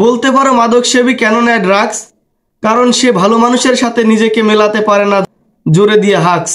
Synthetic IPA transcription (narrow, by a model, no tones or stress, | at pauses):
bolt̪epaɾomad̪ʱokʃebikɛnonɛɖɾaɡs | kaɾonʃebʱalomanuʃeɾʃat̪ʰenid͡ʑekemelat̪epaɾena | d͡ʑoɾed̪ijaɦaks